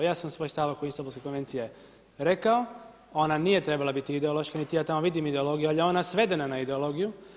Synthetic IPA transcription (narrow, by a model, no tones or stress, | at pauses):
jaːsamsʋo̞jst̪aʋakuinst̪obulˠskekonʋe̞nt̪sije̞ | ɾe̞kao | o̞nanije̞t̪ɾe̞balˠabit̪iːd̪eolo̞ʃkanit̪ijaːt̪amoʋid̪imid̪eo̞lˠo̞ɡijualjeo̞nasʋe̞d̪enanaid̪eo̞lo̞ɡiju